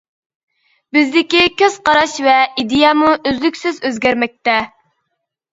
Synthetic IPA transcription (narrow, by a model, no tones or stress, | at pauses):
bɪzd̪ɪkʲikʲøz̥qɑɾɑʃvɛʔid̪ejɑmuʔøzlykʲsɪzøzɡʲæɾmɛk̚ʲt̪ɛ